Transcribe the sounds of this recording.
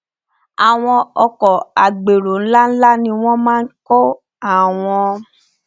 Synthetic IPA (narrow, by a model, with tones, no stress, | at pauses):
a˨w̃ɔ̃˧ɔ˧kɔ˨a˨ɡ͡be˨ɾo˨n̩˦la˦n̩˦la˦nĩ˧w̃ɔ̃˦mãː˦˧˦kɔ˦ | a˦˨w̃ɔ̃˧